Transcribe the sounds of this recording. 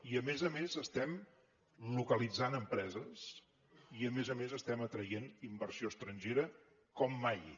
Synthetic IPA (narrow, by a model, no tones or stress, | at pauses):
iəmezəmezəst̪ɛm | lukəlid͡zanəmpɾɛzəs | iəmezəmezəst̪ɛmət̪ɾəjenimbərsioəst̪ɾənʲʒeɾə | kɔmːaj